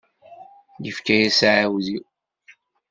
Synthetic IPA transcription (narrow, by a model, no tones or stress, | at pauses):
jəfkæjæsʕawði